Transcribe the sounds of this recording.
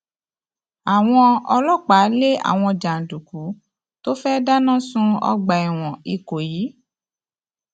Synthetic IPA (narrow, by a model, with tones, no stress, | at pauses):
a˨w̃ɔ̃˧ɔ˧lɔ˦˨k͡pa˨˦le˦a̰˨w̃ɔ̃˧d͡ʒa˨n̩˨du˨ku˨˦ | to˦fɛ˦da˦nã˦sũ˦ɔ̰˧ɡ͡ba˨ɛ˨w̃ɔ̃˨i˧ko˨jiː˨˦